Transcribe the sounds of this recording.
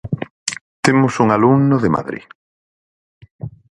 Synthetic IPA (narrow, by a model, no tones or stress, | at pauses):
t̪emʊsuŋalumnʊðema̰ðɾḭ